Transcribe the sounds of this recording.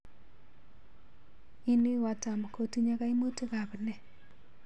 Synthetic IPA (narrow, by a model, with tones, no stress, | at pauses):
i˦ni˦wa˨ta˨m˨ko˨ti˦ɲa˦ka˦i˦mo˦te˦ka˨bnɛ˦˨